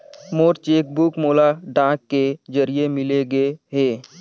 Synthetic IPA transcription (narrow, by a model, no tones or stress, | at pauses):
moːɾt͡ʃeːk̚bʊkmoːlaɖãːkːed͡ʒəɾiemɪleɡəeɦɛː